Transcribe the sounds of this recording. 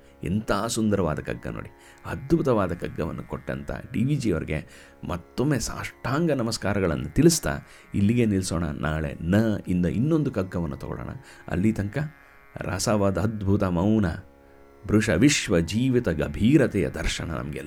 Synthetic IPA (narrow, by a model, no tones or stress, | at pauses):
ɛ̰nt̪ʰaːsund̪ɐɾɐʋaːd̪ɐkɐɡːɐ̰no̰ːɽi | ɐd̪bʱut̪ɐʋaːd̪ɐkɐɡːɐʋɐ̰nːukoʈːɐ̰nt̪ʰɐ̰ɖiːʋiːd͡ʒioɾɛɡḛ | mɐt̪ːomːeːsa̰ːʂʈʰaːŋɡɐnɐmɐskaːɾɐɡɐɭɐ̰nːut̪iɭist̪a̰ː | ilːiɡenilsoːɳɐ̰nʔaːɭḛnɐind̪ɐʔinːo̞nd̪ukɐɡːɐʋɐnːut̪ɔɡɔ̰ɭo̰ːɳɐ̰ɐ̰lːit̪ɐŋkɐ | ɾɐ̰saʋad̪ɐɐd̪bʱut̪ɐmɐwnɐ | bʱɾuʂɐʋiʂʋɐd͡ʒiːʋit̪ɐɡɐbʱiːɾɐt̪ɛjɐ̰d̪ɐɾʃɐnɐnʔɐ̰mɐɡɛ̰lː